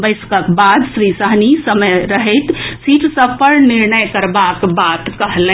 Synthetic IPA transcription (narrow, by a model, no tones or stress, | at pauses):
bəɪskəkbad̪sɾisəɦnisəməjɾəɦɛt̪siʈsəbpəɾniɾnəjkəɾbakbat̪kəɦle